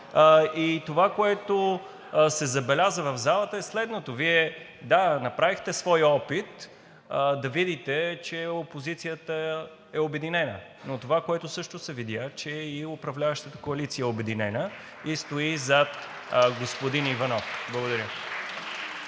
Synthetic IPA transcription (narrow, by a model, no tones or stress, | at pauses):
it̪ovakoɛt̪o | sɛzɐbɛlʲazəvɐvzalˠət̪əɛslɛd̪not̪oviɛd̪anɐpɾavixt̪ɛsvɔjɔpit̪ | d̪ɐvid̪it̪ɛt͡ʃɛopozit̪sijət̪ə | ɛobɛd̪inɛnə̰ | not̪ovakoɛt̪ʊsɤʃt̪osɛvid̪ʲjat͡ʃɛiʊpɾɐvlʲavəʃt̪ət̪ə̥koɐlit̪sijəɛobɛd̪inɛnə | ist̪oizat̪ | ɡospod̪inivɐnɔfblˠɐɡod̪ɐɾʲə